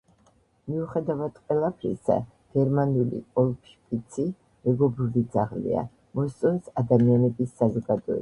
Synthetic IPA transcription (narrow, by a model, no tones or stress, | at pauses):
miuχɛd̪avad̪qʼwɛlˠapʰɾḭsa̰ | ɡ̥ɛɾmanulḭkʼɔlˠpʰʃpʼit̪sʰi | mɛɡɔbɾulid̪zaʁlḭa̰ | mɔst̪sʼɔnsad̪amianɛbisːazɔɡad̪ɔɛ̰